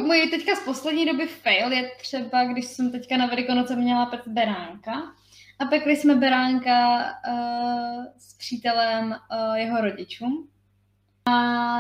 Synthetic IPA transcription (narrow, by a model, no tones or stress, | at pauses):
mojit̪ɛckaspo̞slɛdɲiːdo̞bɪfɛjljɛt̪r̝̥ɛbaɡdɪʃsɛmt̪ɛckanavɛlɪkonot͡sɛmɲɛlapɛt̪bɛɾaːŋka | ʔapɛklɪsmɛbɛɾaːŋka | spr̝̥iːt̪ɛlɛmjɛɦo̞ɾo̞ɟɪt͡ʃuːm | ʔa